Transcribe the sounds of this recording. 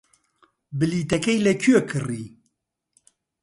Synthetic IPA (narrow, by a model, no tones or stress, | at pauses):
bɨliːt̪ɛkɛjlɛkʰyøkʰɨriː